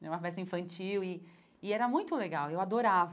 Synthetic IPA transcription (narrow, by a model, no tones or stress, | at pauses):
ɛɾũmɐvɛsɐĩfɐ̃nt͡ʃiwɪː | ɛɾɐmũj̃t̪ʊleɡawewad̪oɾav